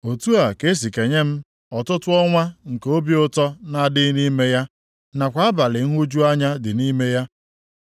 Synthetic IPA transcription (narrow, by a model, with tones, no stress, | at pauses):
o˨tu˦a˨ke˦s̬i˨ke˨ɲe˦m̩˦ | ɔ˨tʊ˦tʊ˦ɔ˦ŋʷa˦ŋ̩˨ko˦bi˦ʊ˦tɔ˦na˨dɪ˦ni˦me˦ja˦ | na˨kʷa˨˦a˦ba˨lɪ˨ŋ̩˦ɦu˦d͡ʒu˦a˦ɲa˦dɪ˨ni˦me˦ja˦